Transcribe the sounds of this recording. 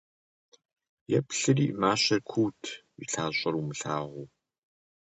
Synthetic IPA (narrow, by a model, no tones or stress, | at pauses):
jɛpɬɨriːmaːɕɐrkʷʰuːtʰ | ḭɬʰaːɕʼɐɾumɨɬaːʁʷuː